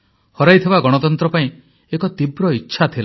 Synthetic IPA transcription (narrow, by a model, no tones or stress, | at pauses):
hɔɾajt̪ʰibaɡɔɽ̃ɔt̪ɔnt̪ɾɔpaĩ | ekɔt̪ibɾɔiːʃʰat̪ʰila